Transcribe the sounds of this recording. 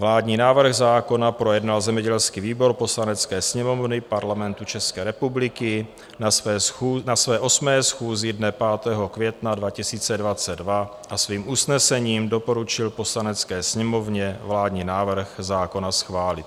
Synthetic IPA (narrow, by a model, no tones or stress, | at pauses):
vlaːdɲiːnaːvr̩ɣzaːko̞napɾo̞jɛdnalzɛmɲɛɟɛlskiviːbo̞ɾpo̞slanɛt͡skɛːsɲɛmo̞vnɪpaɾlamɛnt̪ut͡ʃɛskɛːɾɛpublɪkɪ | naɛːunasvɛːʔo̞smɛːsxuːzɪdnɛpaːt̪ɛːɦo̞kvjɛt̪nadvacɪsiːt͡sɛdvat͡sɛddva | ʔasviːmʔusnɛsɛɲiːmdo̞po̞ɾut͡ʃɪlpo̞slanɛt͡skɛːsɲɛmo̞vɲɛvlaːdɲiːnaːvr̩xzaːko̞nasxvaːlɪt̪